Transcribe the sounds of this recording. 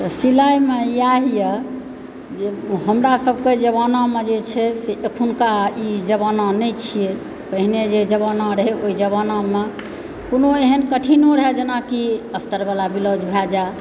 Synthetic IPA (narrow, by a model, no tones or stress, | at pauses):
t̪ɔsilajmeiaɦije | d͡ʒeɦəmɾasəbʱked͡ʒəβanamed͡ʒet͡ʃʰɛseʔekʰunkaid͡ʒəβanãnət͡ʃʰije | kəɦined͡ʒed͡ʒəβənaɾɦeoid͡ʒəβaname | konoeɦənkəʈʰinoɾɦed͡ʒənakiəst̪əɾbalabilod͡ʒbʱɛd͡ʒa